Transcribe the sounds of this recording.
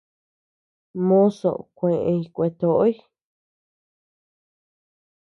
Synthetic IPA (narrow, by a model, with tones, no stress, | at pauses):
mõ˦so̰˨kʷẽ˨ʔẽ˧i˧kʷe˧t̪o˨ʔo˦i˦